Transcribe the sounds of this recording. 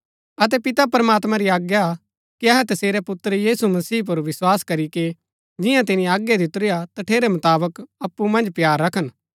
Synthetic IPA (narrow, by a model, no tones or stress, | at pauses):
ɐt̪̬ɛpɪt̪apɾɐmaːt̪mãɾiaːɡja | kiɐɦɛt̪ɐseːɾɛpʊt̪ːəɾjiːsumɐsiːp̬ʊɾʋɪswaːskɐɾike | d͡ʒɪjãt̪̬ɪnĩaːɡjed̪ɪt̪ʊɾɪjat̪ɐʈʰeːɾɛmɐt̪aːbəkɐpːumɐ̃nd͡ʒpjaːɾːɐkʰən